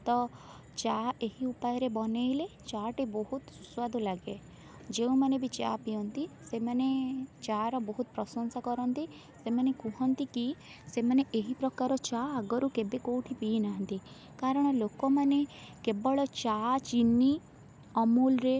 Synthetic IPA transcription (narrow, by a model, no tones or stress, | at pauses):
t̪ɔ | t͡ʃaeɦiupajɔɾebɔnejlet͡ʃaʈibɔɦut̪su̥swad̪ɔlaɡe | d͡ʒeũmanebit͡ʃapijɔnt̪isemanet͡ʃaɾɔbɔɦut̪pɾɔsɔnsakɔɾɔnt̪i | semanekũɦɔnt̪iki | semaneʔeɦipɾɔkaɾɔt͡ʃaːɡɔɾukebekowʈʰipiinaɦɔnt̪i | kaɾɔɽ̃ɔlokɔmanekebɔɭɔt͡ʃat͡ʃinːi | ɔmulɾe